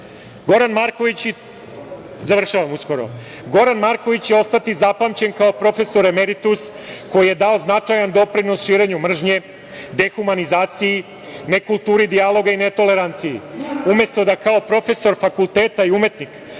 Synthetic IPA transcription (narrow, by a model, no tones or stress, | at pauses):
ɡo̞ɾanmaɾko̞ʋit͡ɕ | zaʋr̩ʃaʋamusko̞ɾo̞̰ | ɡo̞ɾanmaɾko̞ʋit͡ɕjeo̞st̪at̪izapamt͡ɕe̞nkaopɾo̞fe̞so̞ɾemeɾit̪us | ko̞jije̞d̪ao̞znat͡ʂajand̪o̞pɾino̞sʃiːɾe̞ɲumr̩ʒɲe̞ | d̪e̞xumanizaːt̪siji | ne̞kulˠt̪uːɾid̪ialo̞ɡaine̞t̪o̞le̞ɾant̪sijiume̞st̪o̞d̪akao̞pɾo̞fe̞so̞ɾfakulˠt̪eːt̪aiume̞t̪nik